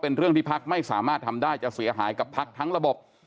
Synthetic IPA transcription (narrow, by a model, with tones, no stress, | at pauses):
pe˧nɾɯ˥˩əŋt̪ʰiː˥˩pʰa˦˥k̚ma˥˩jsaː˩˦maː˥˩t̪̚ʰa˧mdaː˥˩jt͡ɕa˨˩si˩˦ɐɦaː˩˦jka˨˩pʰːa˦˥k̚t̪ʰa˦˥ŋɾa˧bo˨˩p̚